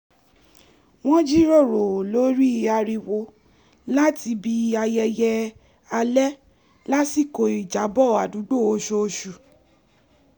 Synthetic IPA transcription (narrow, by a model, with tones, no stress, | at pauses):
w̃ɔ̃˦d͡ʒi˦ɾo˦˨ɾo˨lo˨˦ɾi˦˧a˧ɾi˧wo˧ | la˦ti˧bi˧i˧˦a˧jɛ˧jɛ˧ | a˧lɛ˦ | la˦si˦˨ko˧˨i˨d͡ʒa˨˦bɔ˦˨a˨du˨˦ɡ͡bo˦˨o˧ʃo˧o˧ʃu˨